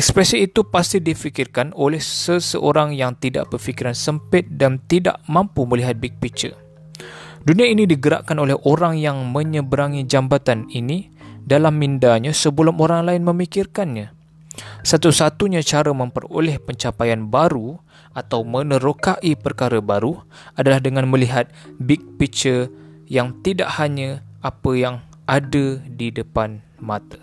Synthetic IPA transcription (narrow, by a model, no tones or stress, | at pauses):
ʔɛk̚spɾɛsiːt̪upast̪idifikɪrkanolɛhsəsəʔoɾaŋjaŋt̪ida̰ʔbərfikiɾansəmpɪt̪̚dant̪ida̰ʔmãmpuməliɦat̪̚bik̚pit͡ʃə̰ | duniainidiɡəɾa̰ʔkanolɛhʔoɾaŋjaŋmə̃ɲəbəɾaŋid͡ʒambat̪anini | dalamːindaɲãsəbəlʊmoɾaŋlaɪnmə̃mikɪrkanɲã | sat̪usat̪uɲãt͡ʃaɾəmə̃mpə̰ro̰lɛhpəɲt͡ʃapajanbaɾu | at̪awmə̃nəɾokaʔipərkaɾəbaɾu | adalahdəŋãnməliɦat̪̚bik̚pit͡ʃəjaŋt̪ida̰ʔhaɲaapəjaŋ | adədidəpan | mat̪ḁ